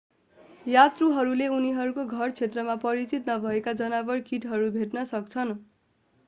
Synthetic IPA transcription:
jat̪ruɦʌɾuleuniɦʌɾukoɡʱʌrt͡sʰet̪rʌmapʌɾit͡sit̪nʌbʱʌekad͡zʌnabʌrkiʈɦʌɾubʱeʈnʌsʌk̚t͡sʰʌn

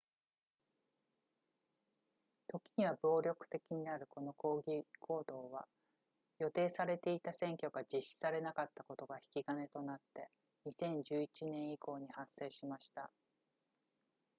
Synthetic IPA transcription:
t̪o̞kʲi̥ɲ̟iβabo̞ːɾʲo̞kɯ̟̥t̪e̞kʲiɲ̟inaɾɯ̟ko̞no̞ko̞ːɡʲikʰo̞ːd̪o̞ːβa̰ | jo̞t̪e̞ːsaɾe̞t̪e̞it̪asẽ̞ŋkʲo̞ɡad͡ʑiɕːi̥saɾe̞nakat̪ːako̞t̪o̞ɡaçi̥kʲiɡane̞t̪o̞nat̪ːe̞ | ɲ̟isẽ̞ɲ̟d͡ʑɨːit͡ɕinẽ̞ɰ̃iko̞ːɲ̟ihase̞ːɕimaɕi̥t̪a

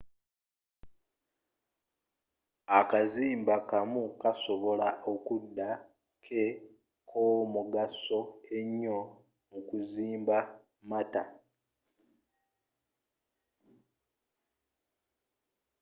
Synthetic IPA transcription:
akaziːmbakamukaso̞βo̞laʔokudːa | kʰe | kʰomuɡaso̞e̞ɲːo̞ | mukuziːmba | mata̰

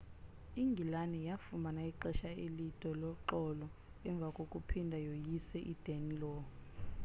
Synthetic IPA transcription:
iŋɡʱilanɛjafumanaiǃɛʃaelitʼɔlɔǃɔlɔ | ɛɱb̪vʱakʼokʼupʰindʱajojisɛʔid̥ʱenilɔː

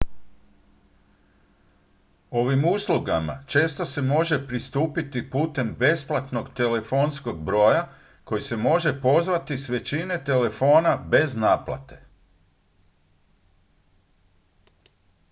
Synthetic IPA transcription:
o̞ʋimuslˠuɡama̰t͡ʃe̞ːst̪o̞se̞mo̞ʒe̞pɾist̪uːpit̪ipuːt̪e̞mbe̞splˠat̪no̞ɡt̪e̞le̞fo̞nsko̞ɡ̚bɾo̞ːja | ko̞jise̞mo̞ʒe̞po̞zʋat̪isʋe̞t͡ɕine̞t̪e̞le̞fo̞ːnabe̞znaːplˠa̰t̪e̞

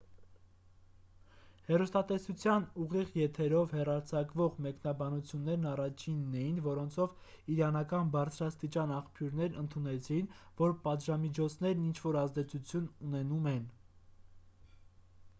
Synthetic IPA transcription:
hɛrust̪ɑt̪ɛsut͡sʰjɑnuʁiʁjɛt̪ʰɛɾɔvhɛrɑɾt͡sʰɑkvɔʁmɛknɑbɑnut͡sʰjunːɛɾnɑrɑt͡ʃʰinːɛjinvɔɾɔnt͡sʰɔv | iɾɑnɑkɑnbɑɾt͡sʰɾɑst̪it͡ʃɑnɑχpʰjuɾnɛɾnənt̪ʰunɛt͡sʰinvɔɾpɑt̪ʒɑmit͡ʃʰɔt͡sʰnɛɾnint͡ʃʰvɔɾɑzd̪ɛt͡sʰut͡sʰjununɛnumɛn

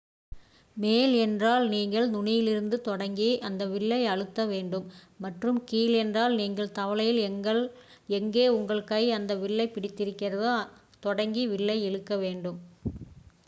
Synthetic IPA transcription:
meːlɛndraːlniːŋɡɐɭnʊnɪjɪlɪɾɯnd̪ɯt̪ɔɽɐŋɡiʔɐnd̪ɐʋɪɭːɐɪɐɻɯt̪ːɐʋeːɳɖɯmː | ɐʈrɯmkiːlɛndraːlniːŋɡɐɭt̪ɐʋɐɭɐjɪlɡɐɭ | ɛŋɡeːʊŋɡɐɭkɐɪɐnd̪ɐʋɪɭːɐɪpːɪɽɪt̪ːɪɾɯkːɪɾɐðɯ | t̪ɔɽɐŋɡiʋɪɭːɐɪɛɻɯkːɐʋeːɳɖɯm

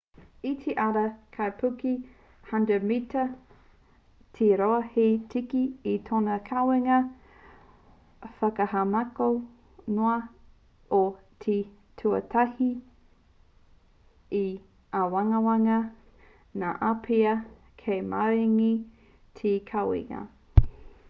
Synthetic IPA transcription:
itʰeʔɐɾɐkʰajpʰuki | hɐndəmitɐ | tʰiɾoɐhetʰikiːtʰonɐkʰaweŋɐ | fɐkɐhamako | noɐ | o | tʰi | tʰuɐ̰tʰɐhi | i | awaŋɐwaŋɐ | na̰ʔapʰeɐ | kʰejmaɾiŋi | tʰikʰawḛŋɐ̰

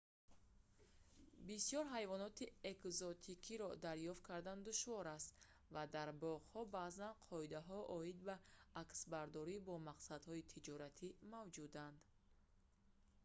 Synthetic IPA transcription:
bisjɔɾɦajvɔnɔt̪iekzɔt̪ʰikʰiɾɔd̪aɾjɔft̪̚kʰaɾd̪and̪uʃvɔɾast̪ | vad̪aɾbɔʁhɔbaːzanqʰɔid̪aɦɔʔɔid̪baːksbaɾd̪ɔɾibɔmaqsad̪hɔit̪ʰid͡ʒɔɾat̪ʰimavd͡ʒud̪and̪

